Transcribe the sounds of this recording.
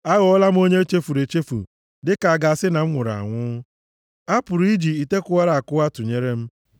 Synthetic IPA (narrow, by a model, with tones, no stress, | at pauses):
a˦ɣʊ˨ɔ˦la˦m̩˦o˦ɲe˦t͡ʃe˦fu˨ɾe˨t͡ʃe˦fṵ˨ | dɪ˦ka˨a˨ɡa˨a˨sɪ˦na˨m̩˦ŋʷʊ˨ɾa̰˨ŋʷʊ˦ | a˦pʊ˨ɾi˦d͡ʒi˨i˨te˦kʊ˦wa˦ɾa˨a˨kʊ˦a˦tʊ˨ɲe˦ɾe˦m̩˦